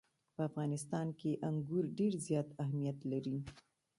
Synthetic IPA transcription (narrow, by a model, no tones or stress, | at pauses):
pəafɣɑnɪst̪ɑnkeʔaŋɡuɾɖeɾzjɑt̪aɦmijat̪laɾi